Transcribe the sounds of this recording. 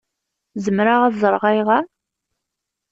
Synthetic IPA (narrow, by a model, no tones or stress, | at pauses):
zəmɾaʁæzˤəɾˤʁæjʁa